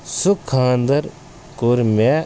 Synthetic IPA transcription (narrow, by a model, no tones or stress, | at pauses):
sʊkʰːãːnd̪ɐɾ | kʊɾme